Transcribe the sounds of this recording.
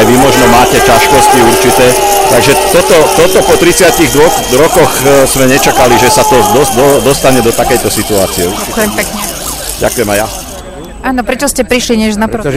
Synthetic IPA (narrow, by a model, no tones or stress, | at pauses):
jʋimɔʒnɔmaːcɛcaʃkɔsciuɾt͡ʃit̪ɛː | t̪aɡʒɛt̪ɔt̪ɔt̪ɔt̪ɔpɔt̪ɾit͡sɪaciɣd̪ʋɔxɾɔkɔxz̥mɛɲɛt͡ʃakaliʒɛsat̪ɔd̪ɔd̪ɔd̪ɔst̪aɲɛd̪ɔt̪akɛjt̪ɔsit̪ua̰ːt͡siɛakʊjɛmpɛkɲɛ | ɟa̰kujɛmaja | aːnɔpɾɛt͡ʃɔscɛpɾiʃliɲɛʒnapɾ